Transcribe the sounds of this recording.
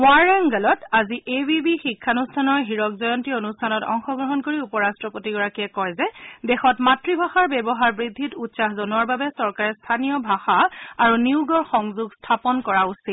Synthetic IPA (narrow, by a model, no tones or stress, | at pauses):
mwaɹaŋɡalɔtaziʔebibixikʰːanustʰanɔɹɦiɹɔkzɔjɔntionustʰanɔtɔ̰ŋxɔɡɹɔɦɔnkoɹiupɔɹastɹɔpotiɡɔɹakiɛkɔjzɛdɛxɔtmatɹibʱaxaɹbɛbɔɦaɹbɹidʱːitutsaxzonuaɹbabɛsɔɹkaɹɛstʰanijɔbʱaxaaɹuniuɡɔɹxɔŋzuɡstʰapɔnkɔɹausit̚